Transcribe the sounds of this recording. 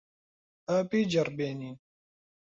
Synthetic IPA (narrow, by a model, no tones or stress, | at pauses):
apiːd͡ʒɐɾbeːniːn